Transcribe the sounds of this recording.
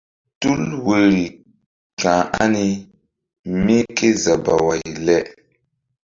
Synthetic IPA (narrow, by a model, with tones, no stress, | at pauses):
tu˦lwe˨ɾi˨ | kã˨ʔa˦ni˦ | mi˦ke˦za˨ba˨wa˨jlɛ˦ʔ